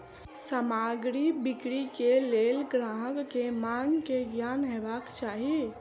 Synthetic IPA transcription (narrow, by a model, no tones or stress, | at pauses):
samaɡɾibikɽikelelɡɾaɦəɡkemaŋkeɡjanɦebakt͡ʃaɦi